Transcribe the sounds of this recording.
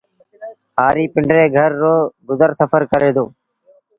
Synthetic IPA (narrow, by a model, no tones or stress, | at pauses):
ɦaːɾiːpɪɳɖɾeːɡʱəɾːoːɡʊzəɾsəfʰəɾkəɾeːd̪oː